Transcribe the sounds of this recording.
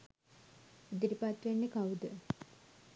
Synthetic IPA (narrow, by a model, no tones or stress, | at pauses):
id̪iɾipat̪ʋenːekawud̪ə